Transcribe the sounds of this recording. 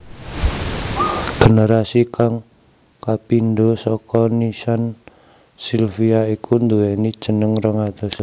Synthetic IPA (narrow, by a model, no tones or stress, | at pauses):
ɡ̥enəɾasikaŋ | kapind̪osɔkɔnisan | silfiaikʰund̪uwɛnid̥ʒ̥ə̤nəŋrəŋat̪ɔs